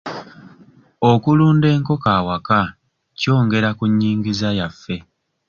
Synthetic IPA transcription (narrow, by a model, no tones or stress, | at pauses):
o̞kuluːnde̞ːŋko̞kaːwaka | co̞ːŋɡe̞ɾakuɲːiːŋɡizajafːe̞